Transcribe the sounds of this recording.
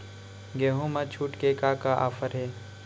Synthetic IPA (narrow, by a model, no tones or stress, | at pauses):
ɡeːɦũmãt͡ʃʰuːʈkekaːkaʔa̰ːfəɾɦeː